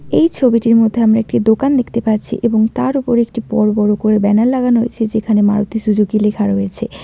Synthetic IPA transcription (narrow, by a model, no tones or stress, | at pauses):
ejt͡ɕʰobiʈiɾmod̪ʱːeamɾaek̚ʈid̪okand̪ekʰt̪epaɾt͡ɕʰḭʔeboŋt̪aɾupoɾek̚ʈipɔɾbɔɾokoɾebɛnalːaɡanɦo̰jt͡ɕʰed͡ʑekʰanema̰ɾot̪iʃud͡ʑuɡilekʰaɾɦojet͡ɕʰe